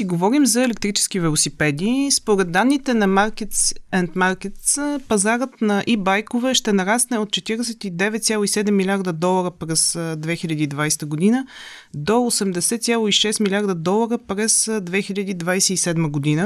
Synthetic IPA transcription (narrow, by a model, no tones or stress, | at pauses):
siɡovɔɾimzɐɛlɛk̚t̪ɾit͡ʃɛ̥sk̟ivɛlˠosipɛd̪iːspoɾɛd̪̚d̪ːanːit̪ɛnɐmaɾkɛt̪sɛnt̪maɾkɛt̪spɐzaɾət̪nɐʔibajkovɛʃt̪ɛnɐɾasnɛot̪̚t͡ʃɛt̪iɾɛsɛt̪id̪ɛvɛt̪sʲjalˠoisɛd̪ɛmːilʲaɾd̪əd̪ɔlˠɐɾəpɾɛzd̪vɛxilʲad̪iːd̪vajst̪əɡod̪inə | d̪oosɛmd̪ɛsɛt̪sʲalˠoiʃɛst̪milʲaɾd̪əd̪ɔlˠəɾəpɾɛzd̪vɛxilʲad̪iːd̪vajsɛisɛd̪məɡod̪inə